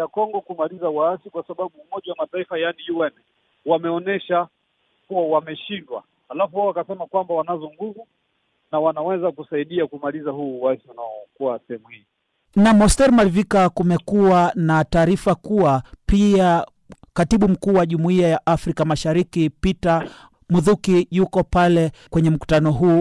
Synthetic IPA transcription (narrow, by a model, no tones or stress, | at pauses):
akɔŋɡɔkumalizauwaasikwasaɓaɓuːmɔʄawamataifajanijuwɛnɛ | wamɛɔnɛʃa | kuwawamɛʃindwa̰ | halafuhaawakasɛmakwambawanazɔŋɡuvu | nawanawɛzakusaiɗiakumalizaɦuːwaasiunaɔkuwasɛhɛmuhi | namɔstɛɾmalivikakumɛkuanataːɾifakuwapia | katiɓum̩kuːwaʄumuiajaʔafɾikamaʃaɾikipita | muðukijukɔpalɛkwɛɲɛm̩ku̥tanɔɦuː